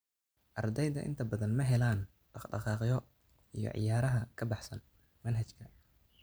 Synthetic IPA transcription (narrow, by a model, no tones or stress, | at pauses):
ʔɑrd̪ɛjðɐ̰ʔɪ̰nt̪ʰɐbɐðɐnmɐɦɛlaːn | ɖɑɖɑ̰qɑːqjɔ | ʔijɞ̰ʕɪ̰jaːɾɐɦɐkʰɐbɑħsɐn | mɐnɦɐt͡ʃkʰɐ